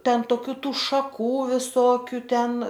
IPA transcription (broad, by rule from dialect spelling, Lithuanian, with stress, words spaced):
ˈtʲɛn toːˈkʲuː ˈtuː ʃɐˈkuː ʋʲɪˈsoːkʲʊ ˈtʲɛn